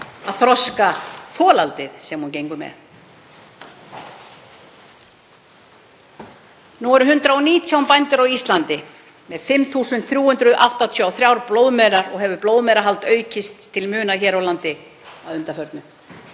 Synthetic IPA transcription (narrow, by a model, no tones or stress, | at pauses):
aðθɾɔskafɔːlalt̪ɪðsɛmːuncejŋkʏmɛ̰ð | nuɛɾʏɦʏnt̪ɾaɔniːt̪ʰjawmpajnt̪ʏɾawist̪lant̪ɪ | mɛðfɪmːθuːsʏnt̪θɾjuːhʏnt̪ɾʏðʔa̰wht̪at̪ʰjyawθɾjawɾploːwðmɛːɾaɾɔɣɦɛvʏplowðmɛjɾaɦalt̪œːɥcɪst̪ʰːɪlmʏːnaçɛːɾawlant̪ɪ | aðʏnt̪afœɾt̪nʏ